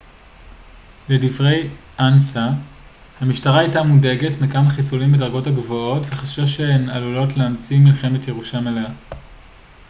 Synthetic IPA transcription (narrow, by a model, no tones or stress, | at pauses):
le̞divʁe̞jʔansa | hamiʃtaʁaajtamudeɡe̞tmikamaχisulimbedaʁɡo̞taɡvo̞o̞tveχaʃoʃeenalulo̞tleamt͡similχe̞metje̞ʁuʃamelea